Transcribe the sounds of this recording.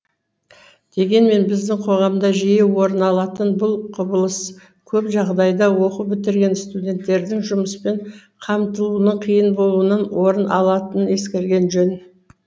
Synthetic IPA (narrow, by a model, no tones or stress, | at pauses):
d̪̥e̞ɡʲe̞nme̞nbɪzd̪ɪŋqʰo̞ʁɑmd̪ɑʒijewo̞ɾənɑlˠɑt̪ənbʊlˠqʰʊbəlˠəs | kʲʰɵpʒɑʁd̪ɑjd̪ɑwo̞qəbɪt̪ɪɾɡʲe̞nst̪udʲe̞nt̪ːe̞ɾd̪ɪŋʒʊməspe̞ɴqʰɑmt̪əlˠunəɴqʰijənbo̞lˠuənənwo̞ɾənɑlˠɑt̪ənəne̞skʲe̞ɾɡʲe̞nʒɵn